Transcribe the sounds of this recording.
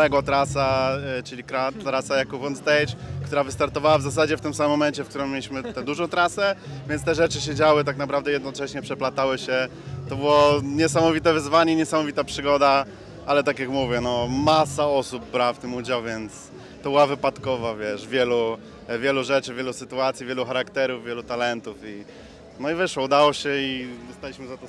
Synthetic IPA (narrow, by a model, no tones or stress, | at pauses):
ɛɡwɔt̪ɾasat͡ʂɘlʲikɾat̪ɾasajakuvɔnzt̪ɛjt͡ɕkt̪uɾavɘst̪aɾt̪ɔvawavzasad͡ʑɛft̪ɘmsammːɔmɛɲt͡ɕɛfkt̪uɾɘmːjelʲiɕmɘt̪ɛd̪uʐɔ̃w̃t̪ɾasɛvʲjɛnt̪st̪ɛʐɛt͡ʂɘɕed͡ʑawɘt̪aknapɾavd̪ɛjɛd̪nɔt͡ʂɛɕɲɛpʂɛplat̪awɘɕɛ | t̪ɔbɨwɔɲɛsamɔvʲit̪ɛvɘzvaɲɛiɲɛsamɔvʲit̪apʂɘɡɔd̪a | alɛt̪akʲjakmuvʲjɛnɔmasaɔsub̚ːɾaft̪ɘmud͡ʑawvʲjɛnt̪s | t̪ɔbɨwavɘpat̪kɔvavʲjɛʂvʲjɛlu | vʲjɛluʐɛt͡ʂɘvʲjɛlusɘt̪uat̪sʲjivʲjɛluxaɾakt̪ɛɾuvvʲjɛlut̪alɛnt̪ufi | nɔivʲɛʂwɔud̪awɔɕɛiɔst̪alʲiɕmɘzat̪ɔ